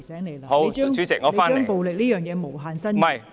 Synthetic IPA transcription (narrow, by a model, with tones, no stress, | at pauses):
sɛː˨˥ŋle˨˩jho˨˧t͡ʃœː˥˧˥ŋyː˨˥t͡sɪ˨k̚ŋɔː˨˧˨a˥nt͡ʃœː˥ŋ˩po˨wlɪ˨k̚liː˥jœː˨˩ŋjɛː˨˧mo˨˩wɦaː˨˧nsɐ˥nmɐ˨˩j